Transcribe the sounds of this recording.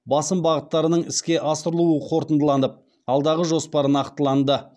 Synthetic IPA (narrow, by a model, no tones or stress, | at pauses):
bɑsəmbɑʁət̪ːɑɾənəɴɪskʲe̞ʔɑsəɾəlˠuəqʰo̞ɾt̪ənd̪əlˠɑnəp̚ | ɑlˠd̪ɑʁəʒo̞spɑɾənɑqt̪əlˠɑnd̪ə